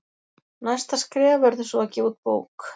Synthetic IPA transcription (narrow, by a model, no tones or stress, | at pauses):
najst̪askɾɛːvavɛɾðʏsɔacɛːut̪̚po̰ːwk